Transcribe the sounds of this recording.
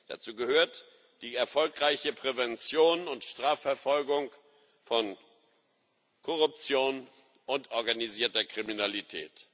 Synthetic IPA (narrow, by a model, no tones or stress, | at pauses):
d̥a̰t͡suːɡəhøːɐt | d̥iːɛɐfɔlkʁ̥aɪçəpʁ̥evɛnt͡sjoːnʊntʃtʁ̥aːfɛɐfɔlɡʊŋ | fɔn | kʰɔʁʊp̚t͡sjoːn | ʔʊntʔɔɐɡaniziːɐtɐkʁ̥iminalitʰɛ̰ːt